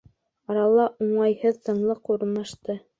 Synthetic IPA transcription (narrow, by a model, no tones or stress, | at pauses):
ɑɾɑlˠɑʔuɴɑjhɤðt̪ɤ̆ɴlˠɤquɾmɑ̆ʃt̪ɤ